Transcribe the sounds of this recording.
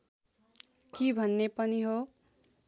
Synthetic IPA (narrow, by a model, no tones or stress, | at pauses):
kibʱʌnːepʌniɦo